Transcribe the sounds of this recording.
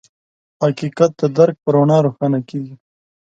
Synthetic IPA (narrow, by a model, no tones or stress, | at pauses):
hakiqat̪̚d̪əd̪aɾk̚pəɾoɳɑɾoxɑnakeɡi